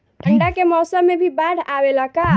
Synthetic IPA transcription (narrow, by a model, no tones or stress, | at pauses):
ʈʰəɳɖakemɔːsəmːebʱibaɽʱawelaka